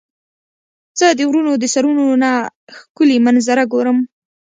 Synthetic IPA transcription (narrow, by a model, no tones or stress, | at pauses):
z̥əd̪əwɾunod̪əsaɾunonaxkʊlimanzaɾaɡoɾəm